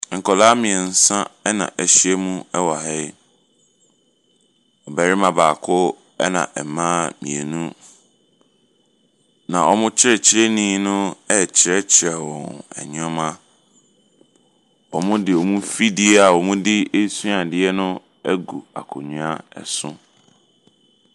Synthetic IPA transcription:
ŋ̩˨kʰɔ˨laː˦mĩ˨ɛ˨n̩˨sã˦ɛ˦nã̰˨ʔɛ˦˨ɕi˦ɛ˦mũ˦ɛ˦wa˨ɦɛ˦ | ɔ˨bɛ˨ɾɪ˦mã˨baː˨kʰʊ˦ | ɛ̰˦nã̰˨ʔɛ˨mãː˦mḭ̃˨e˨nũ˦ | nã̰˨ʔɔ˨mʊ̃˦t͡ɕʰɪ˦ɾɛ˨t͡ɕʰɪ˦ɾɛ˦nĩː˦nʊ̃˦ɛ˦˨t͡ɕʰɪ˨ɾɛ˦t͡ɕʰɪ˨ɾɛ˨wɔ̰̃˨nɛ̰˨ɲĩ˦ɔ˦mã˦ | ɔ˨mʊ̃˦dɪ˨ɔ˨mũ˦fi˦dɪ˦e˦a˨wɔ˨mũ˦dɪ˦e˦su˦a˨dɪ˦ɛ˦nʊ̃˦ | ɛ˦ɡu˨a̰˨kʰʊ̰˨ɲũ˨a˦ɛ̰˨sʊ̰̃˦

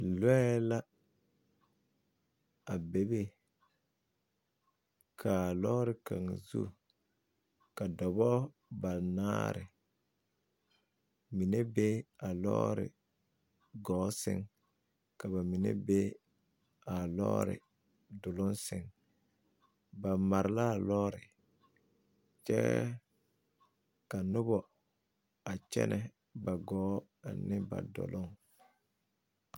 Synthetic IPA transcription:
lɛ˦ɛ˦la˦ | a˨be˨˦be˦ | kʰa˨lɔː˦ɾɪ˨ka̰˨ŋzṵ˦ | ka˨dɔ˨bɔ˦ | ba˨na̰ː˦ɾɪ̰˨ | mi˨ne˦be˦a˨lɔ̰ː˦ɾɪ̰˨ | ɡɔː˨˦sɪ̰˦ŋ | ka˨ba˨mi˨nḛ˦be˦ | a˨lɔ̰ː˦ɾɪ̰˨ | dʊ˨lʊ˦nsɪ˦˨ŋ | ba˨ma˨ɾɪ˨la˦˨lɔː˦ɾɪ˨ | t͡ʃɛ̰˦ | ka˨nʊ˦bɔ˨ | a˨t͡ʃɛ̰˦nʔɛ˨ | ba˨ɡɔː˨˦ | a̰˨nɪ˦ba̰˨dɔ̰˨lʊ˦ŋ

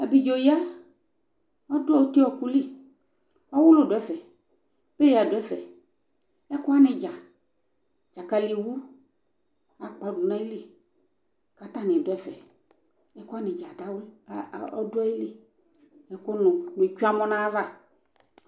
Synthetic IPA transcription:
a˨bi˨d͡ʒo˨ji˦a˦ | ɔ˦dʊ˦a˨wo˦t̪i˦ɔ˨ku˦li˦ | ɔ˦wʊ˦lo˦dʊ˨ɛ˦fɛ˨ | b̥e˦le˨a˨dʊ˨ɛ˦fɛ̰˨ | ɛ˦kʊ˦a˦nɪ̃˨d͡ʒa˨ | d͡ʒa˨ka˨li˨wu˦ | a˨k͡pa˨du˨nã˦i˦le˦ | ka˨t̪ã˦nɪ̃˨dʊ˨ɛ˦fɛ̰˨ | ɛ˦kʊ˦a˦nɪ̃˨d͡ʒa˨da˨˦wɔ̰˦dʊ˦a˦ji˦le˦ | ɛ˦ko˦nʊ̃˨nʊ̃˨t͡ʃu˦a˦mɔ̃˦nã˦va˦˨

